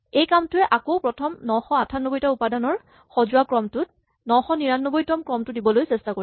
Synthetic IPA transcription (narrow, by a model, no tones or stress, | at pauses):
ejkamtʊɛʔakowpɹɔtʰɔmnɔxɔatʰanːɔbojtaupadanɔɹ | xɔzʊakɹɔmtʊt̚ | nɔxɔniɹanːɔbojtɔmkɹɔmtʊdibɔlojsɛstakoɹi